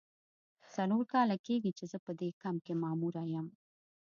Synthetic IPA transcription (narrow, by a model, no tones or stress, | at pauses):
t͡saloɾkɑlakeɡit͡ʃezəpəd̪ekamkemɑmuɾajəm